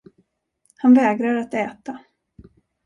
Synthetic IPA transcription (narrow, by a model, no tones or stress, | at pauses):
hanvɛːɡɾaɾat̪ɛːt̪a